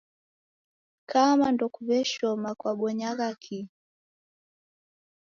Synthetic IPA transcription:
kʰamandɔkuβɛʃɔmakwaɓɔɲaɣakʰi

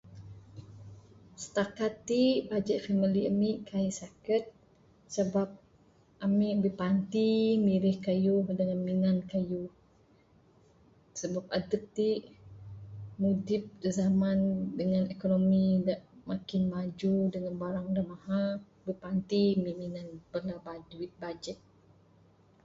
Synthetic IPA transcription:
sə̥t̪akat̪ːibad͡ʒət̪̚faməliamiʔkaisakət̪̚ | səbap̚ | ʔamiʔbəpant̪imiɾɪhkajudəŋanminankajuh | səbap̚adəp̚t̪iʔ | mudɪp̚dəzamandəŋanɛkonomidaʔmakɪnmad͡ʒudəŋanbaɾaŋudahmaha | bəpant̪imiminanbəlabad͡ʒit̪̚bad͡ʒɛt̪̚

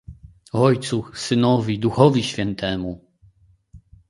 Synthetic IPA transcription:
ɔjt̪susɘnɔvʲid̪uxɔvʲiɕfʲɛnt̪ʰɛmu

